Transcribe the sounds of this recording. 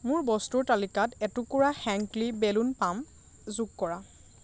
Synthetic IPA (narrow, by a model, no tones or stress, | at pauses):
mʊɹbɔstuɹtalikatɛtʊkuɹaxɛŋklibelunpam | zuɡ̚kɔɹa